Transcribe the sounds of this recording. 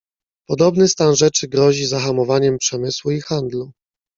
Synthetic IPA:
pɔd̪ɔbnɘst̪anʐɛt͡ʂɘɡɾɔʑizaxamɔvaɲɛmpʂɛmɘswuixand̪lu

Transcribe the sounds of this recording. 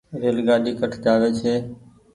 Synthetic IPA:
ʋeːlɡaːɗiːkəʈʰd͡ʒaːʋeːt͡ʃʰeː

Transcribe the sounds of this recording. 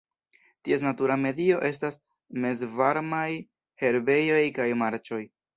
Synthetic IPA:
tie̞s̬natuɾame̞dio̞ʔe̞stas | me̞zvaɾmaj | he̞ɾbe̞jo̞jkajmaɾt͡ʃo̞j

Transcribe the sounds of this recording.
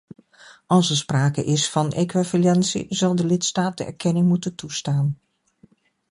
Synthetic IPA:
ɑlˠsɛɹspraːkə̰ʔɪsfɑnḛkʋavalɛnsḭzɑlˠdəlɪtstaːt̚dəɛ̰ɹkɛnɪŋmutəntustaːn

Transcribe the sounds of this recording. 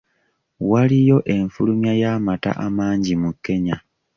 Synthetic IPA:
walijo̞ʔe̞ɱfulumjajaːmata̰ʔamaːɲɟimukːe̞ɲa

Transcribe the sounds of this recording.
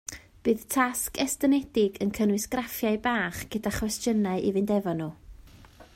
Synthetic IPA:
b̥ɨːðtʰaskɛstənɛd̥ɪɡənkʰənwɨsɡ̥rafjaɨbaːχɡ̥ədaχwɛstjənaɨʔivɨndɛvɔnuː

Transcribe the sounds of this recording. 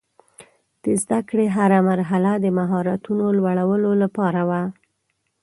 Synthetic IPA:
d̪̥əzd̪akɽeɦaɾamaɾɦalad̪əmaɦɑɾat̪unolwaɽawəlolapɑɾawa

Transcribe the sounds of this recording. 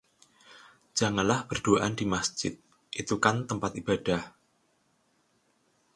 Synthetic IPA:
d͡ʒ̥a̤ŋanlahb̥ərd̥uaʔand̥imasd͡ʒ̥ɪt̪̚ | ʔit̪ukant̪əmpat̪ib̥ad̥ah

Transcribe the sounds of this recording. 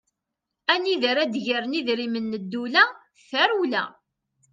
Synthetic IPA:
æniðəɾæd̪ʝəɾniðɾimənːəd̪ːulæ | θæɾulæ̰

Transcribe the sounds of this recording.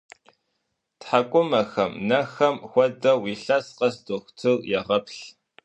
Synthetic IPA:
tħakʷʼʊmɐxɐmnɐxɐmxʷɔdɐwiːɬɐsqɐsdoxʷtʰɨljɛʁɐpʰɬ

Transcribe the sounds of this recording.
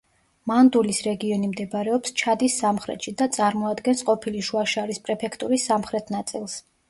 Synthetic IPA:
mand̪ulisɾɛɡiɔnimd̪ɛbaɾɛɔpst͡ʃʰad̪isːamχɾɛ̰t̪ʃid̪at̪sʼaɾmɔad̪ɡɛnsqʼɔpʰiliʃuaʃaɾispʼɾɛpʰɛkʰt̪ʼuɾisːamχɾɛt̪ʰnat̪sʼilˠs

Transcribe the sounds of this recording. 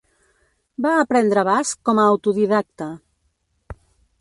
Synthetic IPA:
baːpɾɛnd̪ɾəβaskɔmaːwt̪uðiðak̚t̪a

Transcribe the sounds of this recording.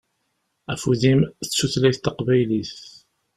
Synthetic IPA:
æfuðimθət͡sːuθlæjθt̪əqvæjliθ

